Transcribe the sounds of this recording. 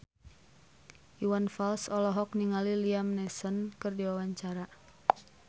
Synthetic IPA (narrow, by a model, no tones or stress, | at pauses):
ʔiwanfalsɔlɔɦɔk̚niŋaliliamnɛsənkɨrdiwawaɲt͡ʃaɾa